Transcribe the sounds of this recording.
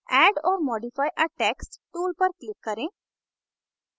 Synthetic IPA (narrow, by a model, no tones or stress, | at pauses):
ɛːɖɔːɾmɔːɖifaːjʔɐʈeːksʈʈuːlpəɾklɪkːəɾẽ